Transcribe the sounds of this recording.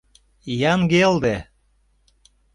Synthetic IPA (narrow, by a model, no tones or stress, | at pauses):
jɑnɡeld̪e